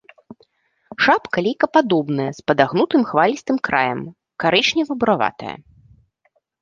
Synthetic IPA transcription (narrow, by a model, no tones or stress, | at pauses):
ʂapkalʲijkɐpad̪ɔbnɨjɛspɐd̪aɣnut̪ɨmxvalʲist̪ɨmkɾa̰jɐm | kaɾɛʂnʲɛvɨbuɾava̰t̪ɐ̰jɐ̰